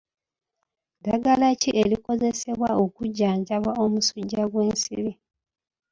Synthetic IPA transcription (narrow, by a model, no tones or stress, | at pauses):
daɡalaciʔeliko̞ze̞se̞βwao̞kuɟːaːɲɟaβwao̞musuɟːaɡweːnsḭɾi